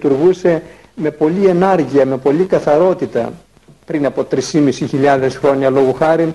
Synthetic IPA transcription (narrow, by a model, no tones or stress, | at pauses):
t̪uɾɣuse̞ | me̞po̞lie̞nɐɾʝiɐme̞po̞likɐθɐɾo̞t̪it̪ɐ̰ | pɾinɐpo̞t̪ɾisimisiçiʎɐðe̞sxɾo̞ɲɐlo̞ɣoxɐɾin